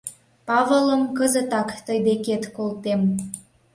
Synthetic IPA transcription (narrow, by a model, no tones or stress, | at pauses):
pɑvələmkəzət̪ɑkt̪əjd̪eket̪kolt̪em